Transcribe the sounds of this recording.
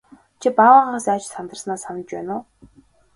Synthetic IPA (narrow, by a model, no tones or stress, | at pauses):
t͡ɕʰipawaːʁaːsaːt͡ɕsant̪ə̆rsnaːsanə̆t͡ɕpæːnʊː